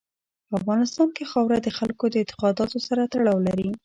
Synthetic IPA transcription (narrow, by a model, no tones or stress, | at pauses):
pəafɣɑnɪst̪ɑnkexɑwɾad̪əxalkod̪əɪnt̪ɪ̥qɑd̪ɑt̪osaɾat̪aɽɑwlaɾi